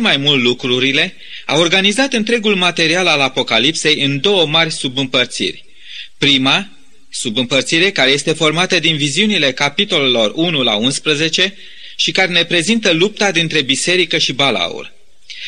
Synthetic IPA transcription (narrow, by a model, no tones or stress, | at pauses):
majmult̪lukɾuɾile̞ | a̰wo̞rɡanizat̪ɨnt̪ɾe̞ɡulmat̪e̞ɾialalapo̞kalipse̞jɨnd̪o̞wəmarʲsubɨmpərt̪sḭrʲ | pɾima | subɨmpərt̪siɾe̞kaɾe̞je̞st̪e̞fo̞rmat̪əd̪inviziunile̞kapit̪o̞le̞lo̞runula̰unspɾəze̞t͡ʃe̞ | ʃikaɾe̞ne̞pɾe̞zint̪əlup̚t̪ad̪int̪ɾe̞bise̞ɾikəʃibala̰ṵr